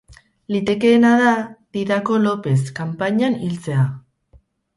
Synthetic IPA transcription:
lit̪e̞ke̞ːnaðad̪iɾako̞lo̞pe̞skampaɲanilt͡se̞a

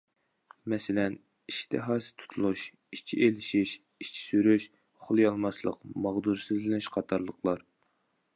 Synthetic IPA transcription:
mɛsɪlɛn | iʃt̪ʰɪɦɑːsɨ̥t̪ʰu̥t̪ʰulˠuʃ | iʃt͡ʃʰḭʔelɪʃiʃ | it͡ʃʰi̥syɾyʃ | χʊlˠjɑlˠmɑslˠə̰qmɑʁd̪uɾsɨzlɪnɪʃqʰɑt̪ʰɑɾlˠəqʰlˠɑɾ

